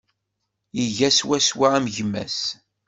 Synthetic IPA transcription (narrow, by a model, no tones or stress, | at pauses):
iʝæswæswaæmʝəmːæ̰s